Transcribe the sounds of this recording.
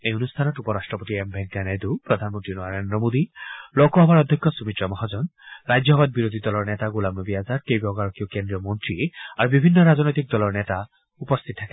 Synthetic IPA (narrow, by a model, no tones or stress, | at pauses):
ejonust̪ʰanɔtupɔɾasʈɹɔpot̪iembʱɛŋkanejd̪upɾɔd̪ʱanmɔnt̪ɾinɔaɾend̪ɾɔmod̪ilɔkɔɦɔbaɹɔd̪ʱːɔkʰːɔsumit̪ɾɔmɔɦad͡ʒɔnɾajd͡ʒɔɦbad̪̚biɾod̪ʱid̪ɔlɔɹnɛt̪aɡulamnɔbiazaɾkejbɔɡaɹɔkiokend̪ɾiɔmɔnt̪ɹiaɾubibʱinːɔɾaznɔjt̪ik̚d̪ɔlɔɹnɛt̪a | upɔst̪ʰit̪ːʰakɛ